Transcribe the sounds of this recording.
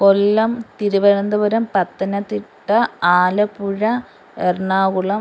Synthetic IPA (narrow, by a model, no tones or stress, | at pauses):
kolːɐmt̪iɾuʋɐɾɐnd̪ɐʋɐɾɐmpɐt̪ːɐnɐt̪ːiʈːɐaːlɐpːuɻɐ | erɳaːɣuɭɐ